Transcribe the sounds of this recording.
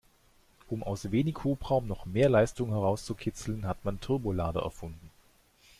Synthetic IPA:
ʔʊmʔaʊsv̥eːnɪçhuːpʁ̥aʊmnɔχmeːɐlaɪstʊŋəɦɛʁ̞aʊst͡sukʰɪt͡sl̩nɦatmantʰʏɐbolaːdə̰ɛ̰ɐfʊndn̩

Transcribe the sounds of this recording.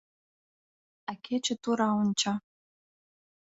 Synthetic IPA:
akʲʰet͡ɕĕt̪uɾɑunt͡ɕɑ

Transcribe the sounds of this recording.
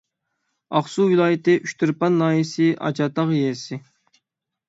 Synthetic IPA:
ɑχsuwilˠɑːjɪt̪ɪʔyʃt̪ʰyɾpɑnːɑːjisɪʔɑ̰t͡ʃɑt̪ɑʁjɛsɪ

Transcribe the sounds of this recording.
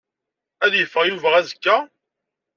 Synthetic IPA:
æðjəfːəʁjuvəʁæzəkːæ

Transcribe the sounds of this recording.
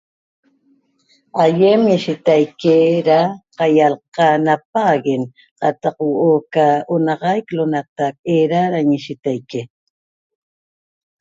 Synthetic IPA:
ajemɪʃɪt̪ajkɪɾaqɑjalqɑnap̚aɢɪn | qɑt̪ɑqwuokaʊnɑqɑjklʊnat̪apʼeɾaɾaɲɪʃɪt̪ajkɪ

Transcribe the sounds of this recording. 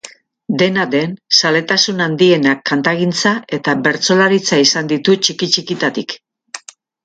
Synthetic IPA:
d̪e̞nad̪e̞nsale̞t̪asunand̪ie̞nakːant̪aɣint͡sae̞t̪aβe̞ɾt͡so̞laɾit͡saisand̪it̪ut͡ʃikit͡ʃikit̪at̪ik

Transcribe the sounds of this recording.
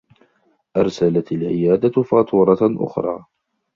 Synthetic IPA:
ʔɑɾˤsalat̪alʕɪjaːd̪afɑːt̪ʰˤuːɾˤɑʔʊ̰xɾˤɑ̰ː

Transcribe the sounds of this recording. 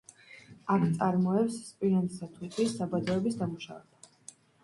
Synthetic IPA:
akʰt̪sʼaɾmɔɛpsːpʼiant̪sat̪ʰut̪ʰisːabad̪ɔɛbisd̪amuʃa̰vɛ̰ba

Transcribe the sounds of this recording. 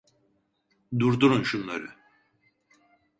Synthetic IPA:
d̪uɾd̪uɾunʃunlˠa̰ɾɯ̰

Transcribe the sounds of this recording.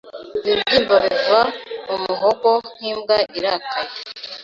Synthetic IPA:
βibɟiːmbaβiɡaumuɦoɡon̥iːmɡaʔiɾakʰaje

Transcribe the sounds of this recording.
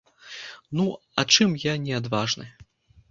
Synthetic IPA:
nu | a̰t͡ʂɨmjanʲɛad̪vaʐnɨ̰

